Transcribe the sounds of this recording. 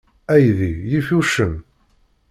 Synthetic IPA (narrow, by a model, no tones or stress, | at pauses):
æjðijifuʃəm